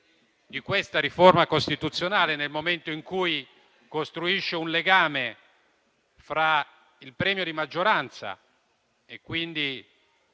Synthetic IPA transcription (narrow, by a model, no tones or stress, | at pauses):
d̪ikwest̪aɾiformakost̪it̪ut̪sːjonaːlenelmoment̪oiŋkuj | kost̪ɾuiʃːeunleɡaːme | fɾa | ilpɾɛːmjod̪imad͡ʒːoɾant̪sa̰ | ekːwind̪i